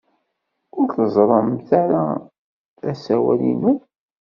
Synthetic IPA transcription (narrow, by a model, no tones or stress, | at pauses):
ʊɾθəzˤɾˤɑmθaɾa | æsæwæ̰lḭnun